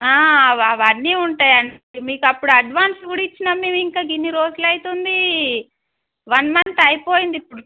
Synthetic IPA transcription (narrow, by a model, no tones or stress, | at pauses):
aːɐʋɐʋɐnːiːuɳʈaːjɐɳimiːkɐpːuɽuɐɖʋaːnsuɽit͡ʃːinɐmːeːmiŋkaːɡiniɾoːd͡ʒulɐjt̪und̪i | ʋɐnmɐnt̪ɐjpoːjind̪ipːuɽu